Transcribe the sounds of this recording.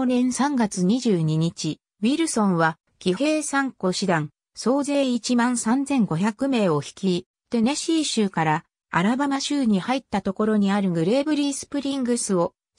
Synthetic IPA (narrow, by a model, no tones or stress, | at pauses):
nẽ̞ɰ̃sãŋɡat͡sɨɲ̟iʑɨːɲ̟iɲ̟it͡ɕi | βiɾɯ̟sõ̞ɰ̃βa | ɡ̥ʲihe̞ːsãŋko̞ɕid̪ãŋ | so̞ːze̞ːit͡ɕimãñsãnzẽ̞ŋɡo̞çakɯ̟me̞ːo̞çi̥kʲi | t̪e̞neɕiːɕɨːkaɾa | a̰ɾabamaɕɨːɲ̟ihait̪ːat̪o̞ko̞ɾo̞ɲ̟iaɾɯ̟ŋɯ̟ɾe̞ːbɯ̟ɾʲiːsɨ̥pɯ̟ɾʲĩŋɡɯ̟sɨo̞